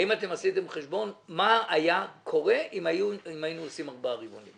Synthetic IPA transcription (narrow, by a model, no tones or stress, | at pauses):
aimate̞masite̞mχeʃbo̞nmaajakʰo̞ʁe̞imauimajinuosimaʁbaʁibo̞nim